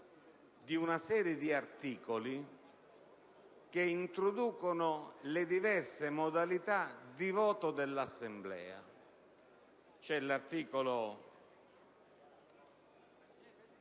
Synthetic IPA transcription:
d̪iunasɛːɾjed̪iart̪iːkoli | k̟eint̪ɾod̪uːkonʊlɪd̪ivɛrsemod̪alit̪ad̪ivɔːt̪ʊd̪elːasːemblɛ̰ːa̰ | t͡ʃɛlart̪iːkolo

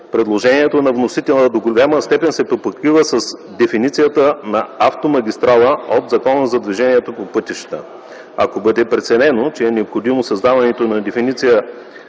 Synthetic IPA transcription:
pɾɛd̪lˠoʒɛniɛt̪onɐvnosit̪ɛlˠd̪oɡolʲaməst̪ɛpɛnsɛpopokɾivəsɐsd̪ɛfinit̪sijət̪ənɐaft̪omɐɡʲist̪ɾalˠəot̪zɐkɔnəzɐd̪viʒɛniɛt̪opopɤt̪iʃt̪ə̰ | ɐkobɤd̪ɛpɾɛt̪sɛnɛnot͡ʃɛɛnɛopxod̪imosɐzd̪avɐnɛt̪onɐd̪ɛfinit̪sijə

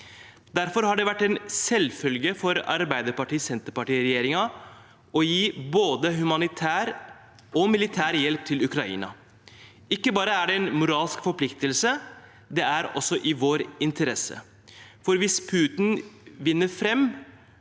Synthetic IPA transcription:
d̪æɾfɔɾhɑɖɛʋæʈːɛnsɛlfœlɡəfɔɾɑ̰ɾbæɪd̪əɾpɑʈiːsɛnt̪əɾpɑʈiːɾɛjeːɾɪŋɑ | ɔjiːboːd̪əɦʉmɑnɪt̪ʰæːɾ | ɔmɪlɪt̪ʰæːɾjɛlp̚t̪ʰɪlʉkɾɑḭːnɑ̰ | ɪkːəbɑːɾəæɖɛɛnmʊɾɑːlskfɔɾpʰlɪkt̪əlsə | d̪ɛæɾɔ̰sːɔʔɪʋoːɾɪnt̪ʰəɾɛsə̰ | fɔɾʋɪspʰʉːt̪nʋɪnːəɾfɾɛmː

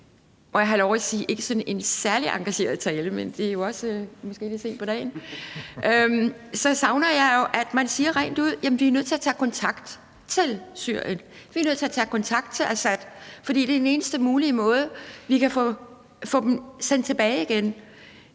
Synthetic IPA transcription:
ʔɒ̽jɑ̈ɦɑlɒʊʁisiːʔe̝ɡ̥əsɒ̽ne̝nsæɐliʔɑ̈ŋɡ̥æɕe̝̰ːɐðˠt͡sʰɛːləmend̥e̝æjo̝ɒ̽smɒ̽sɡ̥e̝̰ːlise̝̰n̥pɒ̽d̥ɛ̰ːnʔøm | sɒ̽sɑ̈ʊnɐjɑ̈ɪjo̝ʔæd̥mænsiːɐʁa̰ɪ̰nd̥uð̞̰ˠjæmənʋiæɐnøð̰ˠt͡sʰe̝æɐt͡sʰɛkʰɒ̽nt͡sʰɑ̈ɡ̥d̥ | t͡sʰe̝lsyɐ̰jən | ʋiænøð̰ˠt͡sʰe̝æt͡sʰɛkʰɒ̽nt͡sʰɑ̈ɡ̥d̥̚t͡sʰe̝lʔæsæd̥fɒd̥ḭːd̥e̝æɐd̥ene̝ːnəsd̥əmuːlimɔ̽ːð̞ˠəʋikʰæfɔ | fɔ̽ːd̥m̩sen̰d̥̚t͡sʰe̝b̥ɛːɪiɡ̥en

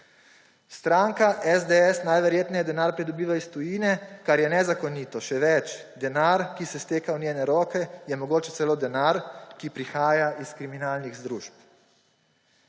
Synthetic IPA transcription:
st̪ɾaːŋkaʔɛzd̪eɛsnajʋɛɾjeːt̪nɛjɛd̪ɛnaːɾpɾid̪ɔbiːʋaist̪ɔjiːnɛkaɾjɛnɛzakɔniːt̪ɔʃɛʋɛt͡ʃd̪ɛnaɾkisɛst̪eːkawnʲjeːnɛɾɔːkɛjɛmɔɡoːt͡ʃɛ̥tsɛloːd̪ɛnaɾkipɾixaːjaʔiskɾiminaːlniɣzd̪ɾuːʃp̚

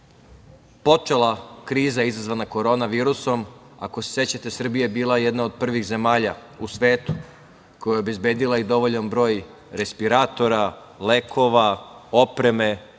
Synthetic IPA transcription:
po̞t͡ʂelakɾiːzaizazʋanako̞ɾo̞ːnaʋiːɾuso̞m | a̰ko̞se̥sje̞t͡ɕat̪e̞sr̩bijebiːlˠajed̪naod̪̚pr̩ʋixze̞maːʎausʋe̞ːt̪u̥ | kojajeo̞be̞zbe̞ːd̪ilˠaid̪o̞ʋo̞ʎanbɾo̞ːj | ɾespiɾat̪o̞ɾa | le̞kʰo̞ʋao̞pɾe̞me̞

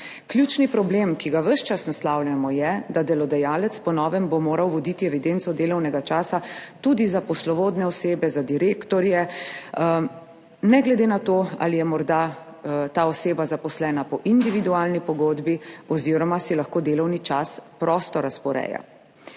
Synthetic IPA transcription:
kljuːt͡ʃnipɾɔbleːmkiɡaʋəʃt͡ʃasnaslaːwljʲamɔjɛd̪ad̪ɛlɔd̪ɛjaːlɛt̪spɔnɔːʋɛmbomoːɾawʋɔd̪it̪iɛʋid̪ent̪sɔd̪eːlɔwnɛɡat͡ʃaːsat̪ud̪izapɔslɔʋoːd̪nɛɔseːbɛzad̪iɾeːkt̪ɔɾjɛ | nɛɡlɛd̪enat̪oːa̰lijɛmɔɾd̪a | t̪aːɔseːbazapɔslɛːnapɔʔind̪iʋid̪uaːlnipɔɡoːd̪biɔziːɾɔmasilaxkoːd̪eːlɔwnit͡ʃaspɾɔːst̪ɔɾaspɔɾɛ̰ːja̰

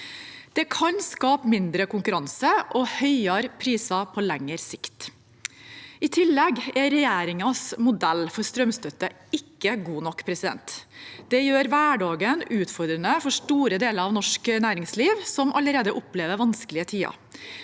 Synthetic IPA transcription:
d̪̥ɛkʰɑnskɑːpmɪnd̪ɾəkʊŋkʉɾɑnsəʔɔhœʏɑɾpʰɾiːsɑpʰɔlɛŋːəɾsɪkt̪ | ɪt̪ʰɪlːɛɡɛɾɛjeːɾɪŋɑsmʊd̪ɛlːfɔɾst̪ɾœmst̪œt̪ːə | ɪkːəɡuːnɔkːpʰɾɛsɪd̪ɛ̰nt̪d̪̥ɛjøːɾʋæːɖɑːɡənʉːt̪fɔɾd̪ɾənəfɔʂʈuːɾəd̪eːləɾɑʋnɔʂknæːɾɪŋsliːʋsɔmʔɑləɾeːd̪əʔʊpleːʋəɾʋɑnskəlɪət̪ʰiːɑ̰

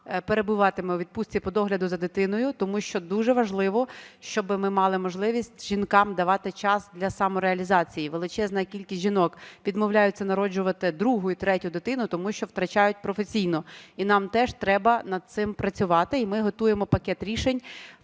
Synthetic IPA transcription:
peɾe̞bʊʋɑt̪ɪmɛʋʲid̪̚pusʲt͡sʲipɔd̪ɔɦlʲɐd̪ʊzɐd̪ɪt̪ɪnɔjʊt̪ɔmuʃt͡ʃɔd̪uʒɛʋɐʒlˠɪʋɔʃt͡ʃɔbɪmɪmɑlˠɪmɔʒlˠɪʋʲisʲtʲʒ̥inkɑmd̪ɐʋɑt̪ɪt͡ʃɑsd̪lʲɐsɑmɔɾeɐlʲizɑt͡sʲijiʋelˠɪt͡ʃɛznɐkʲilʲkʲisʲʒinɔkʋʲid̪mɔwlʲajʊt͡sʲːɐnɐɾɔd͡ʒʊʋɐt̪ɪd̪ɾuɦʊit̪ɾɛtʲʊd̪ɪt̪ɪnʊt̪ɔmuʃt͡ʃɔwt̪ɾɐt͡ʃɑjʊt̚ʲpɾɔfesʲijnɔinɑmt̪ɛʃt̪ɾɛbɐnɐd̪̚t̪sɪmpɾɐt͡sʲʊʋɑt̪ɪimɪɦɔt̪ujemɔpɐkɛt̪ɾʲiʃenʲ

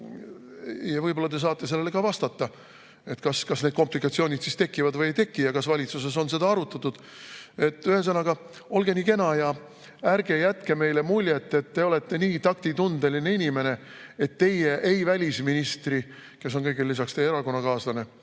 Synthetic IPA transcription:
jɑvɤjbo̞lːɑt̪e̞s̬ɑːt̪ːˑe̞se̞lːe̞lekɑvɑst̪ɑt̪ːɑ | e̞t̪kɑskɑsned̪̥̚ko̞mplikˑɑt̪sio̞ːnʲid̪̥sist̪e̞kːˑivɑd̪vɤjejt̪e̞kːijɑkɑsvɑlʲit̪suse̞s̬o̞nse̞d̪ɑɑɾut̪ːˑɑt̪ːˑud̪̥ | e̞t̪ːˑyhes̬ɤnɑɡ̥ɑ | o̞lɡe̞niːke̞nɑjɑ | æɾɡ̥e̞jæt̪keme̞jle̞mulʲjet̪ːe̞t̪ːe̞o̞le̞t̪ːe̞niːt̪ɑk̚t̪it̪und̪̥eline̞inime̞ne̞ | e̞t̪ːe̞jeʔejvælʲisminist̪ri | ke̞s̬o̞nkɤjɡelːisɑkst̪ejeeɾɑko̞nːɑkɑːslɑne̞

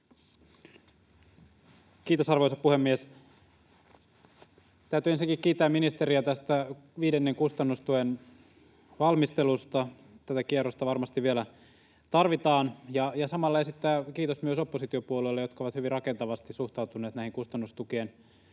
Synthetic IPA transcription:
kiːt̪osɑrʋojsɑppuhemːies | t̪æyt̪yensiŋkikkiːt̪ːæːminist̪eɾiæt̪æst̪æʋiːdenːeŋkust̪ɑnːust̪uen | ʋɑlmist̪elust̪ɑ | t̪æt̪ækierost̪ɑʋɑrmɑst̪iʋʋielæ | t̪ɑrʋit̪ɑːnjɑjɑsɑmɑlːɑesit̪ːæːkiːt̪osmyøsopːosit̪iopuolelːejokɑoʋɑt̪hyʋirɑkent̪ɑʋɑst̪isuht̪ɑwt̪uneːt̪næˑihiŋkust̪ɑnːust̪ukiːn

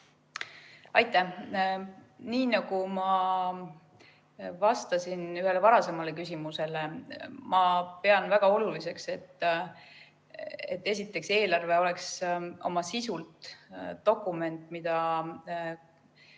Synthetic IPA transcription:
ɑjt̪ːˑæh | niːnɑɡ̥umɑ | vɑst̪ɑsinyhɦe̞levɑɾɑse̞mɑle̞kys̬ʲimuse̞le̞mɑpe̞ɑnvæɡ̥ɑo̞lulise̞kse̞t̪ː | et̪ːe̞s̬ʲit̪ːˑe̞kse̞ːlɑrve̞o̞lekso̞̰mɑsisult̪t̪o̞kːˑume̞nt̪ˑmid̪̥ɑ

